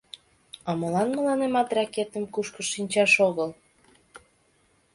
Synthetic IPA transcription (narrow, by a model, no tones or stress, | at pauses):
ɑməlɑnmə̆lɑnemɑt̪rɑket̪əmkuʃkəʃinʲt͡ɕɑʃoɣəl